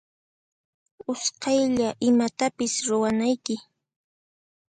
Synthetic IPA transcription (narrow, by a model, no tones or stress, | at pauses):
ʊsqɑjʎaʔɪmat̪apɪsɾʊwanajkɪ